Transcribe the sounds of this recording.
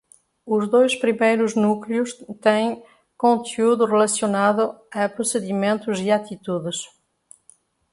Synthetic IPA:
uzd̪ojʃpɾimejɾʊznukljuʃt̪ẽj̃ | kõnt̪iuðuʁɨlɐsjonaðʊɐpɾosɨðimẽnt̪uziat̪it̪uðɨʃ

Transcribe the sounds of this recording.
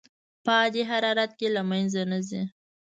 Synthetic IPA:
pəad̪eɦaɾɑɾat̪̚kelamanzanazi

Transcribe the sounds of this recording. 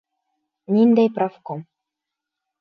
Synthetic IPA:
nʲinʲd̪æjpɾɑfkom

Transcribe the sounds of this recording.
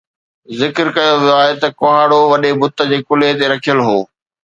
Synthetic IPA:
zɪkɾkɐjoʋijoaːɦet̪ɐkʊɦaːɽoʋɐɗebʊt̪ʰːə̆d͡ʑeːkʊlet̪eɾɐkʰijəlɦoː

